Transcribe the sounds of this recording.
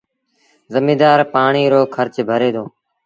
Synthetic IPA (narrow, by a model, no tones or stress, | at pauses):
zəmiːd̪aːɾpaːɳiːɾoːkʰəɾt͡ʃbʱəɾeːd̪oː